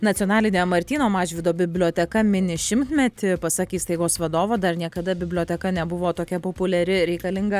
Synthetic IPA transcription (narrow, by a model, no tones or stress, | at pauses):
nɐt̪ʲionɑːlʲɪnʲemɐɾʲt̪ʲiːnoːmɑːʒʲʋʲɪd̪oːbʲɪbʲlʲoːt̪ʲɛkɐmʲɪnʲɪʃʲɪmt̪ʲmʲɛt̪ʲɪpɐsɑkʲiːst̪ɐɪɡoːsʋɐd̪oːʋoːd̪ɐrnʲiɛkɐd̪ɐbʲɪbʲlʲoːt̪ʲɛkɐnʲɛbʊʋoːt̪oːkʲɛpoːpʊlʲɛɾʲɪɾʲɛɪkɐlʲɪŋɡɐ